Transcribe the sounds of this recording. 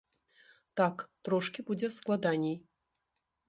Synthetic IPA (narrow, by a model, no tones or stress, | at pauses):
t̪akt̪ɾɔʂkʲibud͡zʲɛsklˠad̪anʲej